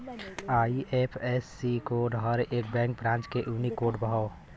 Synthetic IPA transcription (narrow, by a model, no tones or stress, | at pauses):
aːiʔepʰesːikoɖɦəɾeːk̚bɛ̃k̚bɾãːnt͡ʃkeʔunikoːɖbəɦa